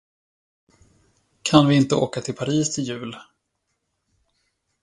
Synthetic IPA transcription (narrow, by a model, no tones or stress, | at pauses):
kʰanvɪɪnt̪əo̰ːkat̪ʰɪlpʰaɾiːst̪ʰɪljʉ̟ːl